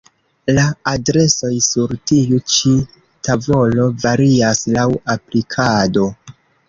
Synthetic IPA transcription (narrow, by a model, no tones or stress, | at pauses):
laːdɾe̞so̞jsuɾtiut͡ʃi | tavo̞lo̞vaɾiaslawaplikʰado̞